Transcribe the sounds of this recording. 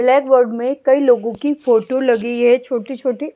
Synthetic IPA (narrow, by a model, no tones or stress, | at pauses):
blɛːkʋəɾɖmẽkɐiloːɡõkifoːʈolɐɡiɦɛt͡ʃʰoːʈit͡ʃʰoːʈi